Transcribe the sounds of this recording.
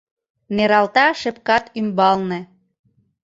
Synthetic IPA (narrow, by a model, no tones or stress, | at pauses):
neɾɑlt̪ɑʃɘ̆p̚kɑt̪ymbɑlnĕ